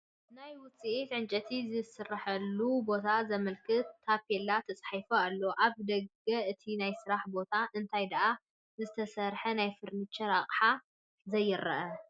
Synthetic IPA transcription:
najwʊt͡sʼiʔit̪ʕɨnt͡ʃʼɐt̪ʰizɨsɨrːaħɐlːubo̞t̪ʰazɐmɐlkʰɨt̪ːapelːat̪ʰɐt͡sʼħajfoalːoʔaβd̪ɐɡɐɨt̪ʰinajsɨɾaħbo̞t̪ʰaʔɨnt̪ʰajd̪ɐʔa | zɨt̪ʰɐsɐɾħɐnajfɨɾnit͡ʃːɐɾaqʼħa | zɐjːɪɾɐ̰ʔɐ

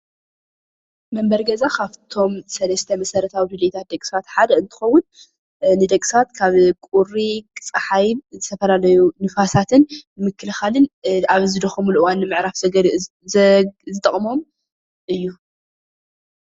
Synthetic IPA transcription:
mɐmbɐɾɡɐzakʰaβt̪ʰo̞msɐlɐst̪ʰɐmɐsɐɾɐt̪ʰawidɨlet̪ʰat̪̚d̪ɐkʼsat̪ħad̪ɐɨnt̪ʰɨ̥xɐwːʊn | nɨd̪ɐkʼsat̪kʰaβkʼuɾikʼɨt͡sʼɨħajβzɨt̪ʰɐfɐlalɐjunɨfasat̪ʰɨnmɨkʰːɨlɨxalɨnaβzɨd̪ɐxɐmulʔɨwanːɨmɨʕɾafzɐɡɐɾ | zɨt̪ʼɐχʼmo̞m | ʔɨjːu

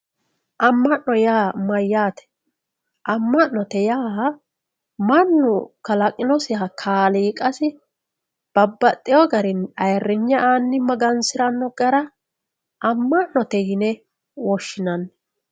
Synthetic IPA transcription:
ʔɐmːɐnːɔjaːmɐjːaːt̪ɛ̥ | ʔɐmːɐnːɔt̪ɛjaː | mɐnːʊkɐlɐkʼɪnɔsɪjaːkʰaːliːkʼɐsɪ | b̥ɐbːɐt̪ʼːɪjɔɡɐɾɪnɐjrːɪɲːɐʔaːnːɪmɐɡɐnsɪɾɐnːɔɡɐɾɐ | ʔɐmːɐnːɔt̪ɛjɪnɛ | wɔʃːɪnɐnː

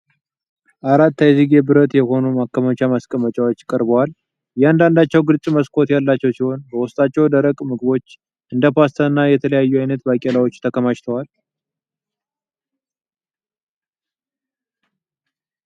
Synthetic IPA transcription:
ʔaɾat̪ːaziɡebɨɾət̪jɛho̞numakːəmət͡ʃamaskʼəmət͡ʃʼawo̞t͡ʃːkʼəɾbəwal | jɛand̪and̪at͡ʃːɛwɡɨlt͡sʼməskʰo̞t̪jalːat͡ʃːɛwsiho̞nbəwʊst̪ʼat͡ʃːɛwd̪əɾəkʼmɨɡɨbo̞t͡ʃː | ʔɨnd̪əpast̪ʰəɨnːajɛt̪ʰələjajːuajnət̪bakʼelawo̞t͡ʃːt̪ʰəkʰəmaʃt̪ʰəwal

